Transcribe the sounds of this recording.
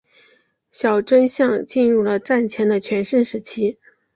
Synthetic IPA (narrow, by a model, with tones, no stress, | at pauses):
ɕjɑ˨˩ʊʈ͡ʂə˥nɕjɑ˥˧ŋt͡ɕi˥˧nɻu˥˩lə˩ʈ͡ʂa˥˩nt͡ɕʰjɛ˧˥nd̪ə˧t͡ɕʰɥɛ˧˥nʂə˥nʂɻ̩˧˥t͡ɕʰi˥